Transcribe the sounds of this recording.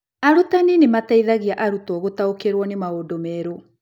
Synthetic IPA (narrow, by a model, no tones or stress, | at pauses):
aɾotaninemataiðaɣiaʔaɾutɔɣotaokeɾwɔnemaodomɛːɾo